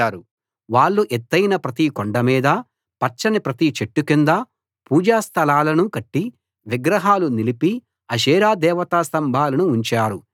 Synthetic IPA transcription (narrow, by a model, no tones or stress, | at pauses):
aːɾu | ʋaːɭːuʔɛt̪ːɐjnɐpɾɐt̪ikoɳɖɐmiːd̪ɐ | pɐɾt͡ʃɐnipɾɐt̪it͡ʃeʈːukind̪ɐ | puːd͡ʒaːst̪ʰɐlaːlɐnukɐʈːi | ʋiɡɾɐɦaːlunilipi | ɐʃ̬ɛːɾaːd̪ɛːʋɐt̪aːst̪ɐmbʱaːlɐnuːɲt͡ʃaːɾu